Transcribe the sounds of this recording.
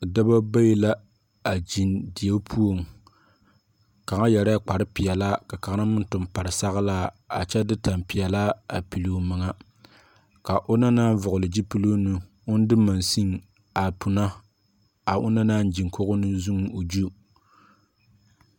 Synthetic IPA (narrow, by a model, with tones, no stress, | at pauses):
da˦ba˦ba˦ji˦la˦ | a˨d͡ʒi˨ndi˨e˦pʰu˦o˨m˨ | ka˨ŋa˦jɛ˨ɾa˦k͡pa˨ɾɨ˦pi˨jɛ˨la˦ka˨ka˨˦na˦mʊ˦n˦tʊ˨mpa˨ɾɨ˨sa˦ɣa˦laː˦ | a̰˨t͡ʃɛ˦dɨ˦ta˨mpi˨ɛ˨la˦a˨pi˨lo˦mɨ˨ŋa˦ | ka˨ʔo˦na˦naː˦n˦vʊ˨ɣʊ˨lɨ˨d͡ʒi˦pi˦lo˦nɨ˦ | ʊ˦n˦dɨ˦ma˨nsi˦ŋ | a˨pu˨na˦ | a˨ʔʊ˦na˦naː˦n˦d͡ʒi˨ŋko˦ɣʊ˦nɨ˦zu˦ŋ˦o˨d͡ʒu˦